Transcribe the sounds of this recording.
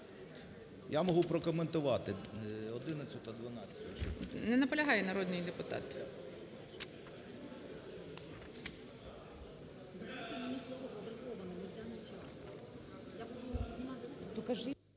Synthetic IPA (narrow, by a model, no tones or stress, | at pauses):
jamɔɦupɾɔkɔment̪ʊʋɑt̪ɪɔd̪ɪnɐt͡sʲʊt̪ɐd̪ʋɐnɑt͡sʲɐt̪ʲʃṵnɛnɐpɔlʲɐɦɑjɛnɐɾɔd̪nɪjd̪epʊt̪ɑ̰t̪ | d̪at̪ɪmenʲislˠɔʋɔpɔbɾʲɪkɔʋɐnɔmɐd̪ʲanɪt͡ʃʲas | jamɔɦumt̪ɔkɐʒɪ